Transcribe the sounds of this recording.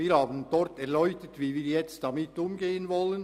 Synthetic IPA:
iːɾhaːbən̩d̥ɔɾtɛʁlœʏçtətviːviːɾjɛt͡std̥ɑmɪtʊmɡeːənvɔlən

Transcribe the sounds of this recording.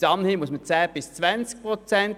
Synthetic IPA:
sɑnhimusmət͡sɛːb̥ɪst͡svænt͡sk̚pʁɔt͡sɛnt

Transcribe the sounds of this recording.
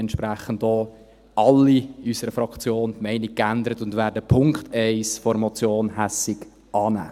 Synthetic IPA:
ɛntʃpɾæχəndoː | ɑlːiysəɾəfɾɑkt͡sjoːntmɛɪnik̚kːændəɾətʊndʋæːɾdəpʰʊŋktɛɪsfɔɾmɔt͡sjoːnhæsɪɡ | ʔɑːnæ̰ː

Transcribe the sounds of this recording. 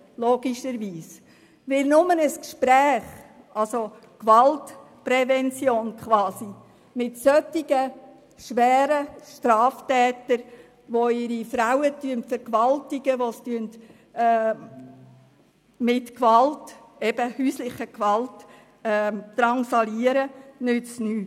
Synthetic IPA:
loːɡ̥iʃəɾʋiːs | ʋɪlnʊmənəskʃpɾɛːχ | ʔɑlso | kʋɑlt | pɾɛvɛnt͡sjoːnkχʋɑːsi | mɪtsœtɪɡə | ʃʋɛːɾəʃtɾɑːftɛːtəɾ | ʋoɪɾifɾawətyəntfəɾkʋɑltɪɡ̥əʋostyəntː | mɪtkʋɑlt | ɛb̥əhyːslɪχəkʋɑltː | ɾɑnsɑliəɾənʏt͡snyːt

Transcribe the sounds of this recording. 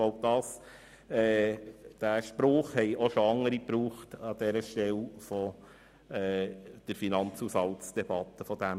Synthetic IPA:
oʊd̥̪ɑːs | ɛːd̥æʃpɾʊːχhɛɪʔɔʃoɑŋːəɾipɾuːχtɑd̥̪ɛɾəʃtɛlfɔ | ɛːd̪̥əɾfinɑnt͡susɑltt͡sd̥ɛb̥ɑt̪ːəfɔdæm

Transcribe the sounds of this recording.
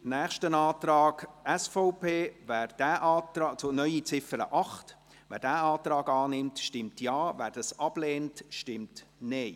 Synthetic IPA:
næːχʃtənɑːtɾɑːɡɛsfɔʊpeːvæːɾd̥æːʔɑːtɾɑːt͡sʊnœʏit͡sɪfəɾə̰ʔɑχt | ʋæ̰ːɾdæːɑːtɾɑːɡɑːnɪmtʃtɪmtʰjɑːvæːɾd̥ɑsɑb̥leːntʃtɪmtneɪ

